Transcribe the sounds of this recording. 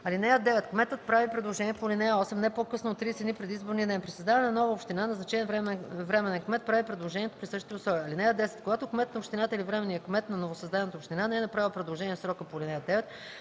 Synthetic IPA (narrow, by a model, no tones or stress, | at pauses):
ɐlinɛjəd̪ɛvɛt̪kmɛt̪ət̪̚pɾavipɾɛd̪lˠoʒɛniɛpolinɛjəɔsɛmnɛpokɤsnot̪ːɾiːsɛt̪nipɾɛd̪izboɾniəd̪ɛnpɾisɐzd̪avɐnɛnnɔvəopʃt̪inanɛznɐt͡ʃɛvɾɛmvɾɛmɛnɛnkmɛt̪̚pɾavipɾɛd̪lˠoʒɛniɛt̪o̥pɾisɤʃt̪it̪əosɔɐlinɛjəd̪ɛsɛ̥t̪̚koɡat̪okmɛt̪nɐopʃt̪inat̪əilivɾɛmɛnijəkmɛt̪nɐnovosɐzd̪avɛnət̪əopʃt̪inanɛɛnɐpɾavilˠpɾɛd̪lˠoʒɛniɛfsɾɔkəpolinɛjəd̪ɛvɛt̪